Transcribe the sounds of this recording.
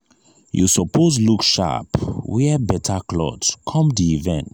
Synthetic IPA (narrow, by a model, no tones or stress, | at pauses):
jṵsɔpʰozlukʃa̰pwɛbɛtʰaklɔ̰dskʰɔ̃mdiivɛ̃nt